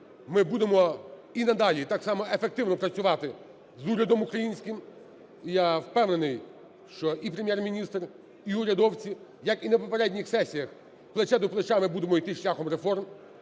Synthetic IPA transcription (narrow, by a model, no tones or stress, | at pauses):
mɪbud̪emɔinɐd̪ɑlʲit̪ɑksɑmɔefek̚t̪ɪwnɔpɾɐt͡sʲʊʋɑt̪ɪ | zuɾʲɐd̪ɔmʊkɾɐjinʲsʲkʲɪm | jawpɛwnenɪj | ʃt͡ʃɔʔipɾemjɛrmʲinʲist̪r | iʊɾʲɐd̪ɔwt͡sʲi | jɐkinɐpɔpeɾɛdʲnʲixsɛsʲijɐx | plˠet͡ʃɛd̪ʊplˠet͡ʃamɪbud̪emɔijt̪ɪʃlʲaxɔmɾefɔrm